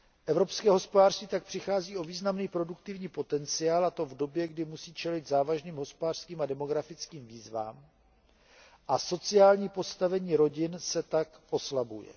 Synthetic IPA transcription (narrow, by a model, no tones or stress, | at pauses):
ʔɛvɾo̞pskɛːɦo̞spodaːr̥st̪viːt̪ak̚pr̝̥ɪxaːziːʔo̞viːznamniːpɾo̞dukt̪ɪvɲiːpo̞t̪ɛnt͡sɪaːlat̪o̞vdo̞bjɛɡdɪmusiːt͡ʃɛlɪd̪zaːvaʒniːmɦo̞spodaːr̥skiːmadɛmo̞ɡɾafɪt͡skiːmviːzva̰ːm | ʔaso̞t͡sɪaːlɲiːpo̞st̪avɛɲiːɾo̞ɟɪnsɛt̪akʔo̞slabujɛ̰